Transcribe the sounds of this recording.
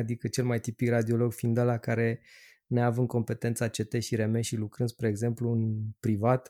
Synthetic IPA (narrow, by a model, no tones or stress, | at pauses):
ad̪ikət͡ʃe̞lmajt̪ipikrad̪io̞lo̞ɡfind̪alakaɾe̞ | neavɨŋko̞mpe̞t̪e̞nt̪sat͡ʃe̞t̪e̞ʃiɾe̞me̞ʃilukɾɨnd̪spɾe̞ːɡze̞mpluɨnpɾivat̪